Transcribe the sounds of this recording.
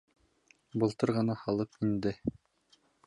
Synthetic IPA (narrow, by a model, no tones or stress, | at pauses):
bɤ̆lˠt̪ɤɾʁɤ̆nɑhɑlˠɤpind̪ɘ